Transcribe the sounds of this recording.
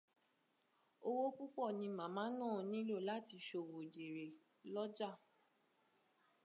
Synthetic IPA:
o˧wo˦k͡pu˦k͡pɔ˦˨nĩ˧mã˨˦mãː˨˦nã˦˨˧nĩ˦lo˦˨la˦ti˧ʃo˧˨wo˨d͡ʒe˨ɾe˨ | lɔ˦d͡ʒa˦˨

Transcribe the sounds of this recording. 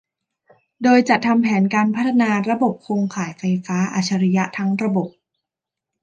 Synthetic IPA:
doː˧jt͡ɕa˨˩t̪ʰa˧mpʰɛː˩˦nkaː˧npʰa˦˥t̪ʰːa˧naː˧ɾa˧bo˨˩p̚kʰoː˧ŋkʰaː˨˩˦jfa˧jfaː˦˥ʔa̰ː˧˩t͡ɕʰa˧ɾi˦˥ja˦˥t̪ʰa˦˥ŋɾa˧bo˨˩p̚

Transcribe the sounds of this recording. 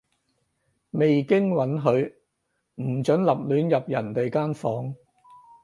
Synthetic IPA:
me˨jkɪ˥ŋwɐ˨˥nɦɵ˨˧ɥ | m̩˨˩t͡ʃɵ˨˥nlɐ˨p̚lyː˨˥njɐ˨p̚jɐ˨˩nt̪e˨jkaː˥nfɔː˨˥ŋ

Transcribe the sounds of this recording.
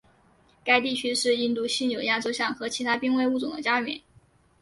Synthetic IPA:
ka˥ɪt̪i˥˩t͡ɕʰy˥ʂɻ̩˥˧i˥˧nt̪u˥˧ɕi˥˧njo˨˩ʊja˥˩ʈ͡ʂo˥ʊɕjɑ˥˩ŋxɤ˧˥t͡ɕʰi˧˥t̪ʰa˥pi˥ŋwe˥˧ɪu˥˩t͡sʊ˨˩d̪ə˦t͡ɕja˥mɛ̰˨˩˦n

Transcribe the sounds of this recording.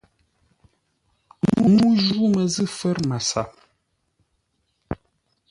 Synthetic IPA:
mu˨mu˦ʒu˦mə˨zɨ˦˨fɛ˦ɾma˨sa̰˨p̚

